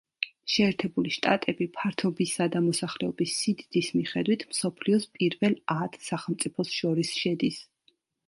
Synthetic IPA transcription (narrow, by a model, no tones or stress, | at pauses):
ʃɛːɾt̪ʰɛbuliʃt̪ʼa̰t̪ʼɛbipʰaɾt̪ʰɔbisad̪amɔsaχlɛɔbisːid̪d̪ismiχɛd̪wit̪ʰmsɔpʰliɔspʼiɾvɛlˠat̪ʰsaχɛlˠmt̪sʼipʰɔsʃɔɾisʃɛd̪is